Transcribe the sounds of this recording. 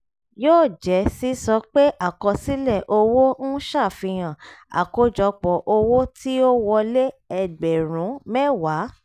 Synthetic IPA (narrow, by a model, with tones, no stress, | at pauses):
joː˦˨d͡ʒɛ˨˦si˨˦sɔ˧˦k͡pe˦ʔa˦˨kɔ˧si˦lɛ˦˨ʔo˧wo˦n̩˦ʃa˦˨fĩ˧j̃ã˨a̰˨ko˧d͡ʒɔ˨˧k͡pɔ˨ʔo˧wo˦tʰi˦o˦wɔ˧le˦ɛ˧ɡ͡bɛ˨ɾ̃ũ˨˦mɛ˦wa˨˦